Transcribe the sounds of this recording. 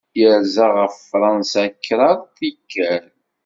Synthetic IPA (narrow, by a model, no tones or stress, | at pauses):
jəɾzaʁəffːɾˤɑnsakːɾˤɑðˤθikːæɾ